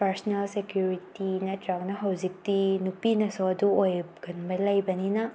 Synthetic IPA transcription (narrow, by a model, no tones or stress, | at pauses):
pɐɾsnelsekjuɾitinɐtɾak̚nɐɦɐwzik̚tinupinɐsowɐduojɡɐnbɐlɐjbɐninɐ